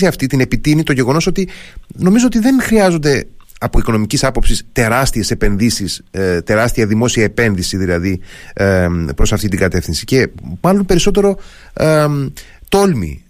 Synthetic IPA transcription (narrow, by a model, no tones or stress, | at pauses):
iɐft̪it̪ine̞pit̪init̪o̞ʝe̞ɣo̞no̞so̞t̪ino̞mizoot̪iðe̞nxɾiɐzond̪e̞ | ɐpoiko̞no̞micisɐpo̞psist̪e̞ɾɐst̪ie̞se̞pe̞nðisist̪e̞ɾɐst̪iɐðimo̞siɐepe̞nðisiðilɐði | pɾo̞sɐft̪it̪iŋɡɐt̪e̞fθinsi̥ce̞mɐlo̞npe̞ɾiso̞t̪̬e̞ɾo̞ | t̪o̞lmḭ